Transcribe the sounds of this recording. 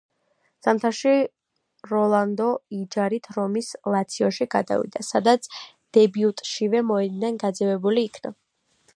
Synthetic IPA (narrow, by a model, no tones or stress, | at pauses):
z̥amt̪ʰaʃi | ɾɔlˠand̪ɔid͡ʒaɾit̪ʰɾɔmislˠat̪sʰiɔʃiɡa̰d̪a̰vḭd̪asad̪at̪sʰ | d̪̥ɛbiut̪ʼʃivɛmɔɛd̪nanɡad̪zɛvɛbuliːkʰna̰